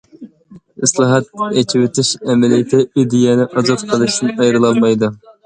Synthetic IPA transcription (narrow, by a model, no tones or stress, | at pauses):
ɨslˠɑɦɑt̪̚ɛt͡ʃʰiwɪt̪ʰɪʃɛmɛlijt̪ʰɪʔid̪ijɛnɪʔɑzɑt̪qʰəlˠɨʃt̪ɪnɑjɾɨlˠɑlˠmɑjd̪ɨ